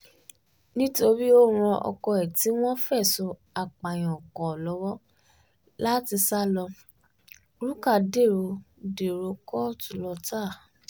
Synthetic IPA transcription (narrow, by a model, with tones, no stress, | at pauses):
nĩ˦to˧ɾi˦o˦˧ɾ̃ɔ̃˧ʔɔ̰˧kɔ˧ɛ˨ti˨˦w̃ɔ̃˦fɛ˦˨so˧ | a˨k͡pa˨j̃ɔ̃˨ɔ˨kɔ˨lɔ˨˦wɔ˦ | la˦ti˧sa˦lɔ˧ | ɾu˦ka˦˨de˦˨ɾo˧de˨ɾo˧kɔ˦tu˦˨lɔ˧ta˦˨